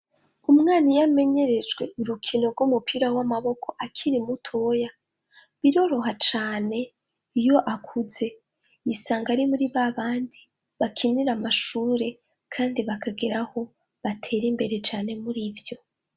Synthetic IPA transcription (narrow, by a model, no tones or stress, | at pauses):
umŋaːnijame̞ɲe̞ɾe̞d͡ʒɡwe̞ʔuɾukʰino̞ɾɡumupiːɾawamaβo̞kʰo̞ʔakʰiɾimutʰo̞ːja | βiɾo̞ɾo̞ɦat͡ʃaːne̞ | ijo̞ʔakʰuze̞ | jisaːŋɡaɾimuɾiβaβaːndi | βakʰiniɾamaʃuːɾe̞ | kʰaːndiβakʰaɡeɾaho̞ | βatʰe̞ɾimbe̞ɾe̞t͡ʃaːne̞muɾivjo̞